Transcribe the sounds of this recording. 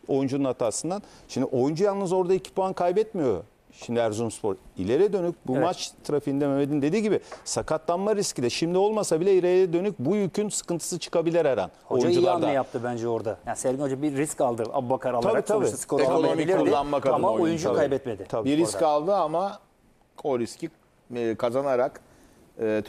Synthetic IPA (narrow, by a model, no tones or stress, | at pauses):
ojund͡ʒununat̪ʰaːsɯnd̪anʃimd̪iʔo̞jund͡ʒujalˠnɯzo̞ɾd̪aicʰi̥puankʰajbɛt̪mijo̞ | ʃimd̪iæɾzumspʰo̞ɾḭlʲe̞ɾɛd̪ø̞nyc̚bummat͡ʃt̪ʰɯɾafind̪ememed̪ind̪e̞d̪iːɟibɪsakʰat̪lˠanmaɾiscid̪ɛʃimd̪io̞lˠmasabilʲɛilʲeɾɾɛd̪ønyc̚bujycʰynsɯ̥kɯnt̪ʰɯ̥sɯt͡ʃʰɯ̥kabilʲiɾɛɾa̰nhood͡ʒuund͡ʒuanajap̚t̪ʰɯbænd͡ʒɛoɾd̪ajansɛɾʲihod͡ʒabiːiskalˠd̪ɯa̰bubakʰaɾalabɾaiːt̪ʰabisi̥kʰoekonomilʲilːˠanmakʰaamaojund͡ʒukajbɛt̪med̪ɪt̪ʰabibiɾikalˠd̪ɯama | kʰoɾisci | kʰazanaɾak | ɯː